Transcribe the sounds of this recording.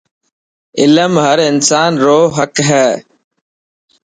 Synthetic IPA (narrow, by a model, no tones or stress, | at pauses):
ɪləmɦəɾɪnsaːnɾoːɦəkɦɛː